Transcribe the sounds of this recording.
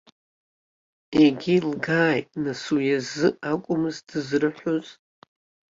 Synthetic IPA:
eɡʲilɡaːjʼnasujazɨakʷʼʊmɨzdɨzrɨħʷoz

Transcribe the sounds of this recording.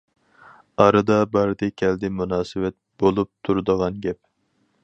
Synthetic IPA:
ɑɾɨd̪ɑbɑɾɨd̪ɪkʲʰɛld̪ɪmunɑːsɨwɛt̪̚bolˠup̚t̪ʰuɾd̪əʁɑnɡʲɛp̚

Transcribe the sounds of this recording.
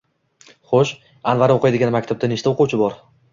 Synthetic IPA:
χoʃ | anvaɾoqʰɨjd̪ɪɡʲanmakʲt̪ʰab̚d̪anɪʃt̪ʰaoquwt͡ʃʰɪbɒɾ

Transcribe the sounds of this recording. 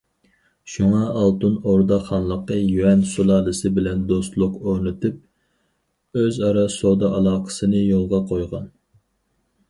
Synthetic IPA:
ʃuŋɑʔːlˠt̪unoɾd̪ɑχɑnlˠəqːəjyɛnsulˠɑlɨsɨbɪlɛnd̪ost̪lˠʊqonɨt̪ʰɨp̚ | øzɑɾɑsod̪ɑʔɑlˠɑːqʰə̥sɨnɨjolˠʁɑqʰojʁɑn

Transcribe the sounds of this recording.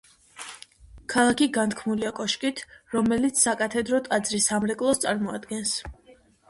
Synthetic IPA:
kʰalˠakʰiɡant̪kʰmnuliakʼɔʃkʼit̪ʰɾɔmɛlit̪sʰsakʼat̪ʰɛd̪ɾɔt̪ʼad̪zɾisamɾɛkʼlˠɔst̪sʼaɾmɔa̰d̪ɡɛns

